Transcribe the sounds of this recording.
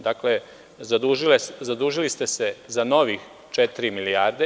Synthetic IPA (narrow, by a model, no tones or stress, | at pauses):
d̪akle | zad̪uʒileszad̪uːʒilist̪e̞sezano̞ʋix | t͡ʃɛt̪iɾimilijaːɾd̪e